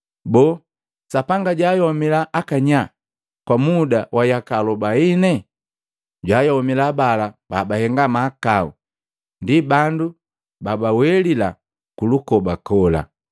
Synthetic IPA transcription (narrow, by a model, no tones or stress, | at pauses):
bɔ | sapaŋɡaɟwaːjɔɔmilaʔːkaɲa | kwamudawʔajakalɔbainɛ | ɟwaːjɔɔmilaːbalab̥abahɛŋɡamaːkaṵ | ndibandu | babawɛlila | kulukɔbakɔla̰